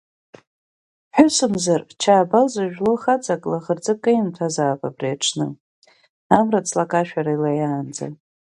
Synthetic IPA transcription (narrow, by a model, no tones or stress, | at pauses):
ħʷᶣʊsɨmzart͡ʃʰaːbalzaʒᶣloχat͡sʼakʼlaʁərd͡zɨkʼajmtʰazaːpʼabriaʈ͡ʂʰnɨ̰ | amrat͡sʰlakʼaʃᶣaɾailajaːnd͡za̰